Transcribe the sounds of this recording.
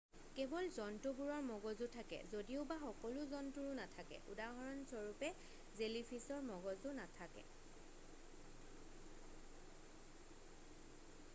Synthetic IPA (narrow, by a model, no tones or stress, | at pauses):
kɛbɔlzɔntubuɹɔɹmɔɡɔzutʰakɛ̰zodiʊbaxɔkɔlʊzɔntuɹʊnatʰakɛ̰ʔṵdaɦɔɹɔnsɔɹupɛ | zelipʰisɔɹmɔɡɔzʊnatʰakɛ̰